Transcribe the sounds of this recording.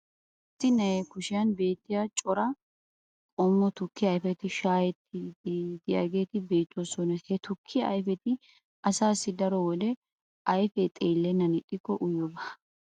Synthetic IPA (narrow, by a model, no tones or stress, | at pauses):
ʔ | ɪt̪ːɪnɛkʊʃɪjɐnbe̞ːt̪ːɪjat͡ʃʼɔɾɐ | kʼɔmːɔt̪ʊkːɪɐjfɛt̪ɪʃaːjɛt̪ːɪd̪ɪja̰ːɡe̞ːt̪ɪbe̞ːt̪ːwoːsɔnɐhɛt̪ʊkʰːɪɐ̰jfɛt̪ɪ | ʔɐsaːsːɪd̪ɐɾɔwɔlɛ | ʔɐjfɛt̪ʼeːlːɛnːɐnɪt̪ʼːɪkːɔʔʊjɔbaː